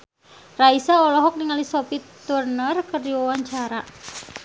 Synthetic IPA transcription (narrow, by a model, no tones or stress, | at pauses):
raisaɔlɔɦɔk̚niŋalisɔpit̪urnərkərdiwawaɲt͡ʃaɾa